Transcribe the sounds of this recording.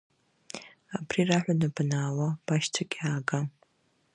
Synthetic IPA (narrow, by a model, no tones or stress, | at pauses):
abriraħᶣʷanabnaːwab̥aʃt͡sʷʰakʲʼaːɡa